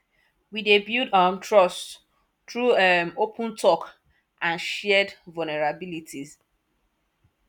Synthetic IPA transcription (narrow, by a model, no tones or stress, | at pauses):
widebjudɔmtɹɔst | tɹumopʰũntʰɔk | ʔãnʃɛdvulnɛɹabilitʰiz